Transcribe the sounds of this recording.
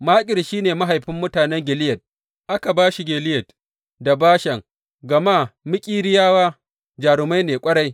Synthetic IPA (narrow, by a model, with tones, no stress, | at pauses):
maː˦kʲʼɪ˨lʃiː˦neː˨ma˦ɦa˨jɸɪ˦mːʊ˦taː˨nɛ˦ŋɡʲɪ˨lɪ˦jɐ˨t̚ | ʔa˦ka˨baː˦ʃi˨ɡʲeː˨lɪ˦jɐ˨t̚ | da˨baː˦ʃɐ˨ŋ | ɡɐ˨maː˦mɪ˦kʲʼiː˦ɾɪ˦jaː˦waː˦ | d͡ʒaː˨ɽɪ˨ma˦jneː˨kʷʼɐ˦ɽa˦j